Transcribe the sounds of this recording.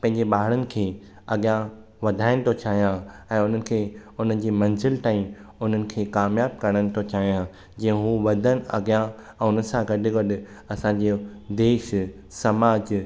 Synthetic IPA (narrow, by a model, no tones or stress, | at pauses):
pɐ̃ɦɪ̃ɲ̆d͡ʑeɓaːɦɪɽənɪ̆kʰeː | ɐɡjã | ʋɐd̪ʱaːɪnɪ̆t̪ʰot͡ɕaːɦijãɛ̃ːʊn̤ənɪ̆kʰeːʊn̤ənɪ̆d͡ʑeːmɐ̃ɲzɪlʈaːĩʊn̤ənɪ̆kʰeːkaːmjaːb̚kɐɽ̃ənɪ̆t̪ʰot͡ɕaːɦijã | d͡ʑĩːə̃ɦuːʋɐd̪ʱənɪ̆ɐ̰ɡijã | ɛ̃ːʊnə̆sãɡɐɖʱɪɡɐɗɪ | ɐsãɲ̆d͡ʑeːd̪eːʃ | sɐmaːd͡ʑ